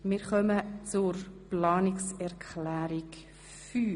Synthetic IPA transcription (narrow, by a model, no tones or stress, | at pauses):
mɪɾχœmət͡sʊɾplɑːnɪksɛɾkʰlæːɾik | fyː